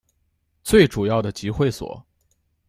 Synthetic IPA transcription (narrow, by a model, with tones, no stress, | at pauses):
t͡swe˥˩ɪʈ͡ʂu˨˩jɑ˥˩ʊd̪ə˩t͡ɕi˧˥xwe˥˩ɪswɔ̰˨˩˦